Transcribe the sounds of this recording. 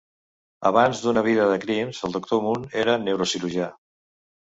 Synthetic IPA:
ə̰β̞anzðunəβ̞iðəðəkɾimzəlˠd̪uk̚t̪omuneɾənewɾosiluʒa

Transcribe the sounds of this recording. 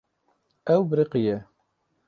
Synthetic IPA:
ɛwbɾiqijɛ

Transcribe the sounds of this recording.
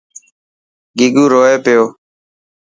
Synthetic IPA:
ɡɪɡuːɾoːeːpɪjoː

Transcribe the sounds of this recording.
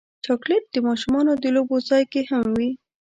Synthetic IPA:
t͡ʃɑkleʈ̚d̪̥əmɑʃumɑnod̪əlobozɑjkehamwi

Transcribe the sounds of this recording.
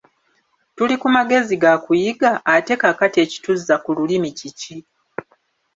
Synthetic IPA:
tulikumaɡe̞ziɡakujiɡaʔːte̞kakatie̞ːci̥tuzːakululimicici

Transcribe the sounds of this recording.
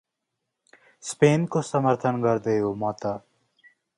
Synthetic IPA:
speːnkosəməɾt̪ʰənkəɾd̪ejoːmɔːt̪a

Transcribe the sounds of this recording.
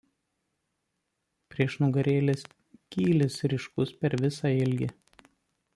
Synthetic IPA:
pʲɾʲiɛʃnʊɡɐɾʲeːlʲes | kʲiːlʲɪsɾʲɪʃkʊspʲɛɾʋʲɪsɑɪlʲɡʲɪ

